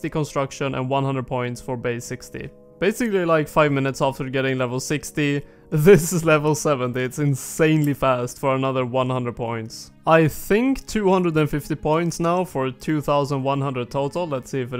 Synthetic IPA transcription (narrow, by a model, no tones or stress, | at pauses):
tikə̃nstɹ̥ʌkʃə̃nʔə̰̃nwʌ̃nhʌ̃ndɹəd̚pʰɔ̃ɪ̃ntsfə˞beɪsɪkstḭ | b̥eɪsɨklilaɪkfaɪvmɪ̃nɨtsæftə˞ɡɛɾɪ̃ŋlɛvl̩ˠsɪksti | ðɪszlɛvl̩ˠsɛvə̃ntiɨtsɨ̃nsẽɪ̃nlifæstfə˞ənʌðə˞wʌ̃nhʌ̃ndɹəd̚pʰɔ̃ɪ̃nts | aɪθɪ̃ŋktʰʉhʌ̃ndɹədɨ̃nfɪftipʰɔ̃ɪ̃ntsnaʊfə˞tʰʉθaʊzə̃nd̚wʌ̃nhʌ̃ndɹəd̚tʰoʊɾl̩ˠlətsiɨfɨ